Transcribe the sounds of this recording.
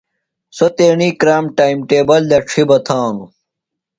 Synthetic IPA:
sot̪eːɳiːkɾaːmʈaːimʈeːbɐld̪ɐʈ͡ʂʰibɐt̪ʰaːnu

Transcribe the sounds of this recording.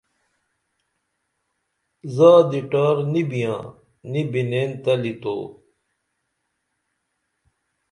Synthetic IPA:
zaːd̪iʈaːɾnibijãː | nibineːnt̪ɐlit̪o̰ː

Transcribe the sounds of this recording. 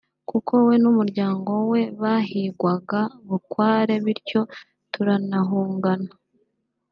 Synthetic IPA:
kukʰo̞we̞numuɾɟaːŋɡo̞we̞βaɦiɡwaɡaβukwaːɾe̞βiɾco̞ | tuɾanaɦuːŋɡana

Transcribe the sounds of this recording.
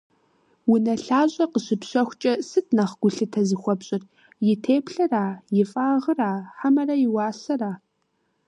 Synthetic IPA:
wʊnɐɬaːʑʼɐqəɕɪpɕɐxʷt͡ʃʼɐsɨt̚ʰnɐχɡ̥ʷʊɬɨtʰɐzɨxʷɔpɕʼɪr | jɪtʰeːpɬɨraːjɪfʼaːʁəraːħamɐrɐjɪwɑːsɐraː

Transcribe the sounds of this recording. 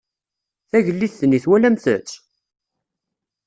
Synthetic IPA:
θæʝəlːiθθːniθwælæmθə̰t͡sː

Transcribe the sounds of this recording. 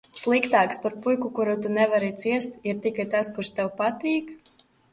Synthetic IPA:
slˠikt̪aːkspaɾpujkukuɾut̪unɛvaɾit̪siɛst̪iɾt̪ikajt̪askuɾst̪ɛwpat̪iːk

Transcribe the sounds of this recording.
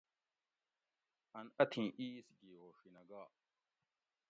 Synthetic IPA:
ɐnɐt̪ʰĩʔisɡihoːʂinɐɡaː

